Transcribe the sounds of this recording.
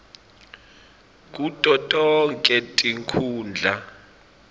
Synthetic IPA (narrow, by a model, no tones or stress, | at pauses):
k̬ʼutʼɔtʼɔŋkʼɛtʼiŋkʰuːnd͡ɮʱa